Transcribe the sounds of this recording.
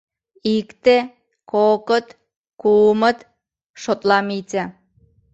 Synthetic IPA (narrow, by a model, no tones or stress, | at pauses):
ikt̪e | kokə̆t̪ | kumə̆t̪ | ʃot̪lɑmit͡sæ